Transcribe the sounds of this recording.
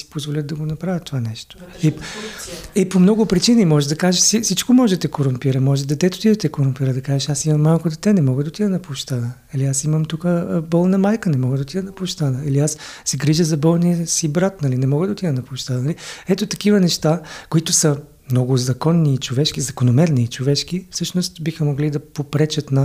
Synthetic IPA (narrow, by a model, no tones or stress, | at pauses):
si̥pozvolʲət̪d̪ɐɡonɐpɾavjət̪ːovanɛʃt̪o̥i | ɛpomnɔɡʊpɾit͡ʃiniimɔʒɛd̪ɐkaʒeʃsisit͡ʃkomɔʒɛd̪ɐt̪ɛkoɾompiɾəmɔʒɛd̪ɛt̪ɛt̪o̥t̪id̪ɐt̪ɛkoɾʊmpiɾəd̪ɐkaʒɛʃasimɐmːalˠkod̪ɛt̪ɛnɛmɔɡəd̪ɐt̪id̪ɐnɐpʊʃt̪anənɐliasiməmt̪ukəbɔlˠnɐmajkənɛmɔɡəd̪ot̪id̪ɐnɐpoʃt̪anəiliasːɛɡɾiʒəzɐbɔlˠnijəsibɾat̪nɐlinɛmɔɡəd̪ɐt̪id̪ɐnɐpoʃt̪anɐliɛt̪ot̪ɐkivənɛʃt̪akoit̪ʊsə | mnɔɡʊzɐkɔnːiːt͡ʃovɛʃkizɐkonomɛɾniːt͡ʃovɛʃkifsɤʃnost̪bixəmoɡlid̪ɐpopɾɛt͡ʃət̪nɐ